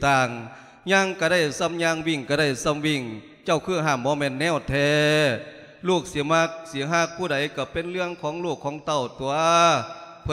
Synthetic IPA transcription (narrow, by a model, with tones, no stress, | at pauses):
t̪aː˧˩ŋ | ɲaː˧ŋka˧˩da˧˩jsa˧˥˨mɲaː˧˥ŋwi˧˩ŋka˧˩da˧˩jsa˧˩˨mwi˧˩ŋ | t͡ɕa˧˩wkʰɯː˧˩ɦaː˧˩mbɔː˧˦mɛː˧˥˨nːɛː˧˩˨wt̪ʰɛː˧ | luː˧˩k̚si˨˧˦ma˧˥k̚si˧˦ɦaː˧˩k̚pʰuː˧˩da˨˦jka˧˩pe˧˨nlɯ˧əŋkʰɔː˨˦ŋluː˧˩kʰːɔː˨˦ŋt̪a˧˩wt̪u˧ɐ | pʰ